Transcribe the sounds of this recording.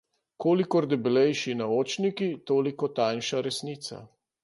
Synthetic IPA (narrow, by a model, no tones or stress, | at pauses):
koːlikɔɾd̪ɛbɛlɛjʃinaoːt͡ʃnikit̪oːlikɔt̪ajnʃaɾɛsniːt̪sa̰